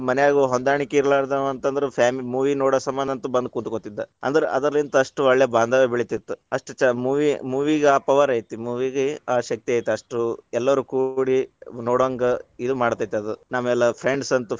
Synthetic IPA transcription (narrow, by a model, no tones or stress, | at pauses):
mɐnɛjaːɡuɦond̪aːɳikeiɾlaːɾd̪ɐʋɐnt̪ɐnd̪ɐɾepʰjaːmilimuːʋinoːɽɐsɐmbɐnd̪ɐnt̪ubɐnd̪ukuːnd̪ukot̪ːid̪ːɐɐ̰nd̪ɐɾeʔɐd̪ɐɾɐlint̪ɐɐʂʈuɐɭjɐbaːnd̪ʱaːʋebiɭit̪it̪ːuɐʂʈut͡ʃːɐmuːʋimuːʋiɡeaːpɐʋaɾɐjt̪imuːʋiɡeaːʃɐk̚t̪iaːjt̪ːeɐʂʈuɛlːɐʋɐɾukuːɽinoːɽɐŋɡɐid̪umaːɽt̪aːjit̪ːeɐd̪unamːɐɛlːɐpʰɾeɳɖsɐnt̪u